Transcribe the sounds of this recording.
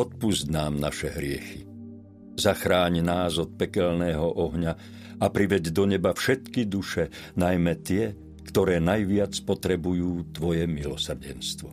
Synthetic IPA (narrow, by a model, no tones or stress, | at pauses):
ɔt̪̚puzɟnaːmnaʃɛɦɾɪɛxi | zaxɾaːɲnaːzɔt̪̚pɛkɛlnɛːɦɔʔɔɦɲa | apɾiʋɛɟd̪ɔɲɛbafʃɛt̪kid̪uʃɛ | najmɛt̪ɪɛ | kt̪ɔɾɛːnajʋɪat͡spɔt̪ɾɛbujuːt̪ʋɔjɛmilɔsr̩ɟɛnst̪ʋɔ